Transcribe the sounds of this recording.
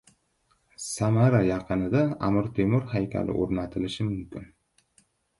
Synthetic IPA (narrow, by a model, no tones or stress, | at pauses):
samaɾajɑqʰɨnɪd̪aa̰mɪɾt̪ʰemʊɾhajkʲʰa̰lɪ̰ʔo̰ɾnat̪ʰɪlɪʃɪmʊmkʲɪn